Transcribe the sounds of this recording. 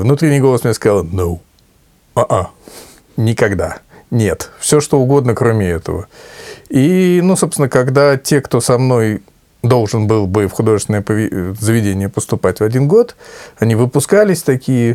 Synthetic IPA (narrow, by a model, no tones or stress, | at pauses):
vnut̪ɾʲɪnʲijɡo̞lˠəsmʲnʲjeskɐzalˠnow | aʔa | nʲɪkɐɡd̪a̰nʲe̞t̪fsʲoʂt̪o̞ʊɡo̞d̪nəkɾomʲɪɛt̪ə̰və | inusopsʲɪnəkɐɡd̪atʲe̞kt̪o̞sɐmno̞j | d̪o̞lˠʐɨnbɨlˠbɨfxʊd̪o̞ʐɨst̪ʲɪnəjəpəvʲɪzəvʲɪdʲenʲɪjəpəst̪ʊpatʲvɐdʲinɡo̞t̪ɐnʲivɨpʊskalʲɪsʲt̪ɐkʲijə